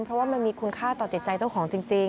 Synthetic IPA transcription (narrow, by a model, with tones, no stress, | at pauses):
mpʰɾɔ˦˥waː˥˩ma˧nmiː˧kʰu˧nkʰaː˥˩t̪ɔː˨˩t͡ɕi˨˩t̪̚t͡ɕa˧jt͡ɕa˥˩wkʰɔː˩˦ŋt͡ɕi˧ŋt͡ɕi˧ŋ